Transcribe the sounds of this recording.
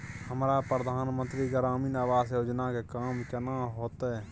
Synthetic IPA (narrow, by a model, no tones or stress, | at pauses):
həmɾapɾəd̪ʱaːnmə̃nt̪ɾiɡəɾaːmiːnaʋaːsjoːd͡ʒnakekaːmkənaɦoːt̪ɛ